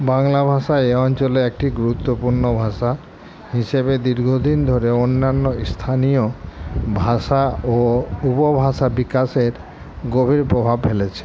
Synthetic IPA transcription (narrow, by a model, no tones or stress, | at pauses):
baŋlabʱaʃaeɔnt͡ɕɔleek̚ʈiɡuɾut̪ːopuɾnɔbʱaʃa | ɦisebed̪iɾɡʱod̪ind̪ʱoɾeonːanːɔst̪ʰanijobʱasaoupɔbʱaʃabikaseɾ | ɡobʱiɾpɾobʱabɦelet͡ɕʰe̥